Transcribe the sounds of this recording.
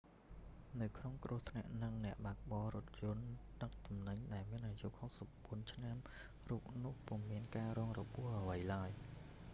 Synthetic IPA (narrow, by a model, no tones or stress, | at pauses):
nɨwkʰnoŋkruəht̪ʰna̰ʔnɨŋnɛ̆əʔɓaːk̚ɓɑːɾʊ̆ət̪̚jʊ̆ənɗək̚t̪umnɨɲɗaɛlmiənʔajuʔhok̚sap̚ɓuənt͡ɕʰnam | ruːp̚nʊ̆əhpuəmiənkaːrɔːŋrɔɓʊəhʔəʋəjlaəj